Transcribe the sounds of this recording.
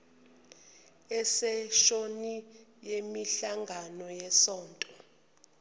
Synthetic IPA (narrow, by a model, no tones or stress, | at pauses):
ɛsɛʃonijemiɬaŋɡʱanɔjɛsɔːntʼɔ